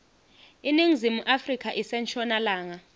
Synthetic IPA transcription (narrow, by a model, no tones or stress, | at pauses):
iniŋizimuʔafrikʰaʔisɛnt͡ʃʰʼɔnalaːŋa